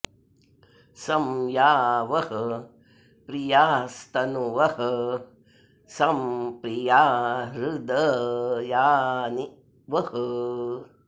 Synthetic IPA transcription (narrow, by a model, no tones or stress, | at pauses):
sɐmjaːʋɐɦɐ | pɾijaːst̪ɐnuʋɐhɐ | sɐmpɾijaːɾud̪ɐjaːni | ʋɐhə